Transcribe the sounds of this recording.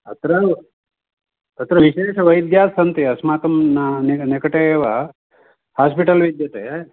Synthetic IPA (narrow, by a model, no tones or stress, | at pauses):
ɐt̪ɾɐ | ɐt̪ɾɐʋiʃeːʃɐʋɐjd̪jaːsɐnt̪iɐsmaːt̪ɐmnanenekɐʈeeːʋa | haːspiʈɐlʋid̪jɐt̪e